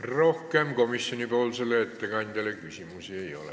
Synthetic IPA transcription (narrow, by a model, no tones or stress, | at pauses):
rohkeɑmkomisjonipæolselːeet̪ːækɑint̪ælækysimusieio̰lḛ